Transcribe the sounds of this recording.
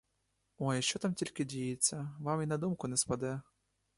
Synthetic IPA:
ɔjiʃt͡ʃɔt̪amtʲilʲkʲɪdʲijɪt͡sʲːɐʋaminɐd̪umkʊnɛspɐd̪ɛ

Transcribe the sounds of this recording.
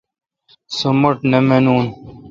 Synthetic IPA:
sumɐʈnemenuːn

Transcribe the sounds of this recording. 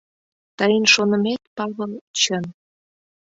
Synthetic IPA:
t̪əjənʃonə̆met̪pɑβə̆lt͡ɕən

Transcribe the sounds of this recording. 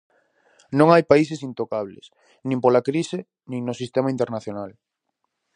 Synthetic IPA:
nõŋajpaisesint̪okaβlḛs | nĩmpolakɾisɪ | nĩŋnosist̪emaĩnt̪eɾnaθjonal

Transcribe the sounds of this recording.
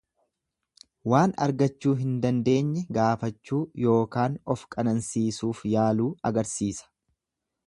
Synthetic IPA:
waːnɐ̰ɾɡɐt͡ʃːuːɦɪnd̪ɐnd̪e̞ːɲːɛɡaːfɐt͡ʃːuːjo̞ːkaːnɔfkʼɐnɐnsiːsuːfjaːluːɐɡɐɾsiːsɐ̥

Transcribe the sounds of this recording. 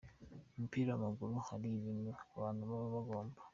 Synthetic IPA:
mipiɾamaɡuɾuhaɾiβinuaβaːnuβaβaβaɡo̞ːmbḁ

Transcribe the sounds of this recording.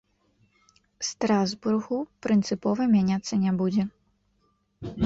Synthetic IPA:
st̪ɾazburɣupɾɨnt̪sɨpɔvɐmʲanʲat̪sːɐnʲɛbud͡zʲɛ

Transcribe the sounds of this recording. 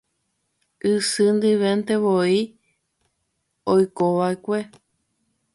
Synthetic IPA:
ʔɨsɨnd̪ɨʋẽnt̪eʋoi | ojkoʋaekʷe̞

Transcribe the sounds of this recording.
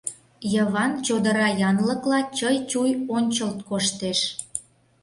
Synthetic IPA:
jəβɑnt͡ɕod̪əɾɑjɑnlə̆klɑt͡ɕəjt͡ɕujonʲt͡ɕəlt̪̚koʃt̪eʃ

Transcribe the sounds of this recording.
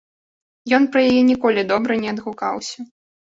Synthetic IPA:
jɔnpɾɐjajɛnʲikɔlʲid̪ɔbɾɐnʲɛɐd̪ɣuka̰wsʲɐ

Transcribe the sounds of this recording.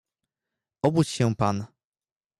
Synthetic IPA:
ʔɔbut͡ɕɕɛ̃pan

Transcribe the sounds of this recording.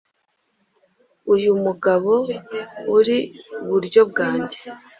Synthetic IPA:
ujumuɡaβo̞ | uɾiβuɾɟo̞b̚ɡaːɲɟe

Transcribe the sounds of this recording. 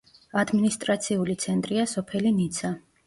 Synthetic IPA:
ad̪minist̪ʼɾat̪sʰiulit̪sʰɛnt̪ʼɾiasɔpʰɛlinit̪sʰa

